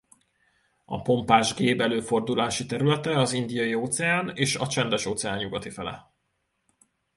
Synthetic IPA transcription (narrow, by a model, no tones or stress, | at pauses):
ɒ̰po̞mpaːʒɡeːbɛløːfo̞rd̪ulaːʃit̪ɛɾylɛt̪ɛɒzind̪ijɒjioːt̪sɛaːneːʃɒt͡ʃɛnd̪ɛʃoːt̪sɛaːɲɲuɡɒt̪ifɛlɛ̰